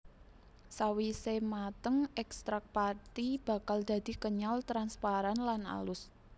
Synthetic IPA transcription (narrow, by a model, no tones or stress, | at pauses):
sawisemat̪əŋɛkst̪ɾak̚pat̪ib̥a̤kald̪̥ä̤d̪̥i̤kəɲalt̪ɾanspaɾanlana̰lʊs